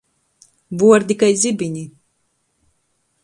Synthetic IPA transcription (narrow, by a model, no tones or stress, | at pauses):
buɔɾd̪ʲikajzʲibiɲʲi